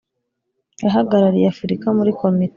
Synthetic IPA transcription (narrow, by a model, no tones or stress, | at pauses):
jaɦaɡaɾaɾijeafuɾikamuɾiko̞mit